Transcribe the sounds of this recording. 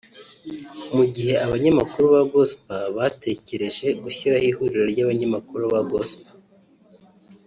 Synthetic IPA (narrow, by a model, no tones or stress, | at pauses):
muɟihe̞aβaɲamakuɾuβaɡospaβatʰe̞ce̞ɾe̞ʒe̞ɡuçiɾahihuɾiɾoɾɟaːβaɲamakuɾuβaɡospḁ